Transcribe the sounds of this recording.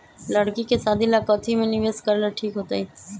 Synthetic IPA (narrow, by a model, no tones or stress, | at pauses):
ləɽkikesaːd̪ʱilakɔt̪ʰimẽnɪʋeːskəɾlaʈʰiːkɦoːt̪aːiː